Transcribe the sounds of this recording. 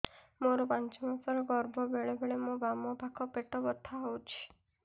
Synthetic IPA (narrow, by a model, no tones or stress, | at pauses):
moɾɔpant͡ʃɔmasɔɾɔɡɔɾbʱɔbeɭebʱeɭemũbamɔbʱakʰɔpeʈɔbɔt̪ʰːaot͡ʃʰi̥